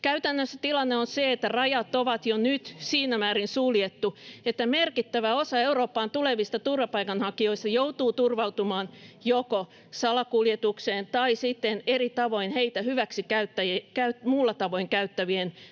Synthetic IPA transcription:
kæyt̪ænːøsːæt̪ilɑnːeonseet̪ːærɑjɑt̪ːoʋɑt̪jonyt̪siːnæmæːrinsuːliet̪ːuet̪ːæmerkit̪ːæʋæosɑeuroːpːɑːnt̪uleʋist̪ɑt̪urʋɑpɑikɑnhɑkːioist̪ɑjout̪uːt̪urʋɑwt̪umɑːnjoko | sɑlɑkuljet̪ukseːnt̪ɑisit̪ːenerit̪ɑʋoinheit̪æhyʋæksikæyt̪ːæjekæyt̪muːlːɑt̪ɑʋoiŋkæyt̪ːæʋien

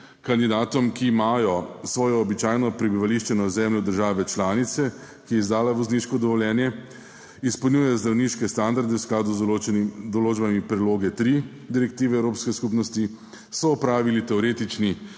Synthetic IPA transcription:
kand̪id̪aːt̪ɔmkiːmaːjɔsʋɔːjɔːbit͡ʃaːjnɔpɾɛbiʋaliʃt͡ʃɛnɔzɛmlɔd̪əɾʒaːʋɛt͡ʃlaːnit̪sɛ | kijɛizd̪aːlaʋɔzniːʃkɔd̪ɔʋɔljɛːnjɛ | ispɔlwnjuːjɛjɔzd̪ɾawniːʃkɛst̪and̪aɾd̪ɛwsklaːd̪u | d̪ɔloːd͡ʒbamipɾɛd̪loːɡɛt̪ɾi | d̪iɾɛkt̪iːʋɛːwɾoːpskɛskupnɔst̪i | sɔːpɾaːʋilit̪ɛɔɾeːt̪it͡ʃni

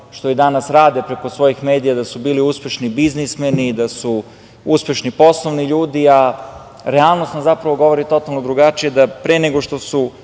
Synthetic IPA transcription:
ʃt̪o̞id̪anasɾaːd̪epɾe̞ko̞sʋo̞jixme̞ːd̪ijad̪asubiːliuspe̞ʃnibiznismenid̪asu | uspe̞ʃnipo̞slˠoʋniʎuːd̪ia | ɾealˠnost̪nazapɾaʋo̞ɡo̞ʋo̞ɾit̪o̞t̪alˠno̞d̪ɾuɡat͡ʃije̞d̪apɾeneɡo̞ʃt̪o̞su

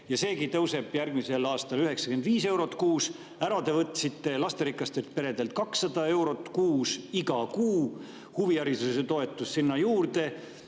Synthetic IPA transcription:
jɑse̞ːkit̪ɤwse̞b̥jærɡ̥mise̞lɑːst̪ɑlyɦe̞ksɑkend̪̥viːse̞wɾo̞t̪ːkuːs | æɾɑt̪e̞vɤt̪ːˑsit̪ːe̞lɑst̪e̞ɾikːˑɑst̪ert̪̚pe̞ɾe̞d̪e̞lt̪̚kɑksːɑd̪̥ɑe̞wɾo̞t̪ːkuːsiɡɑkuː | huviɑɾisuseset̪o̞et̪ːˑusːinːɑjuːrd̪e̞

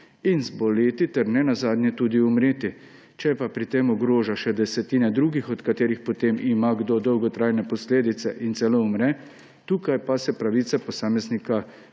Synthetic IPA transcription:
inzbɔlet̪it̪ɛɾnɛnazaːd̪nʲjɛt̪uːd̪iumɾeːt̪i | t͡ʃɛpapɾit̪eːmɔɡɾoːʒaʃɛd̪ɛsɛt̪iːnɛd̪ɾuːɡixɔt̪kat̪eːɾixpɔt̪emimaɡd̪od̪ɔwɡɔt̪ɾaːjnɛpɔsleːd̪it̪sɛʔint̪sɛloumɾɛ | t̪uːkajpasɛpɾaʋiːt̪sapɔsaːmɛznika

